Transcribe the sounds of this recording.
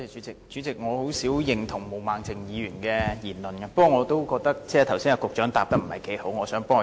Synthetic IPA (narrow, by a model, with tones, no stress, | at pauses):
yː˨˦˥t͡sɪ˨k̚t͡ʃyː˨˥t͡sɪ˨k̚ŋɔː˨˧ho˨˥wsiː˨˥wjɪ˨˩ŋt̪ʰʊ˨˩ŋmo˨˩wmaː˨ŋt͡sɪ˨ŋjiː˨˧jyː˨˩nkɛː˧jiː˨˩nlɵ˨nkaː˧pə˥kːɔː˨˧ŋɔː˨˧t̪o˥wkɔː˧k̚t̪ɐ˥k̚t͡sɛː˥˩˨t̪ʰɐ˨˩wsiː˥jaː˧kʊ˨k̚t͡ʃœː˨˥ŋt̪a̰ː˨p̚t̪ɐ˥k̚m̩˨˩ɐ˨˩jke˨˥jho˨˥wŋɔː˨˧sœː˨˥ŋpɔː˥ŋ˨